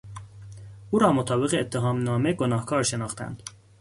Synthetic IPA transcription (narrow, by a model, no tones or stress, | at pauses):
ʔuːɾɒːmot̪ʰɒːbe̞ɣeːt̪ʰːe̞ɦɒːmnɒːme̞ɡonɒːhkʰɒːɾʃe̞nɒːxt̪ʰæ̰nd̪̥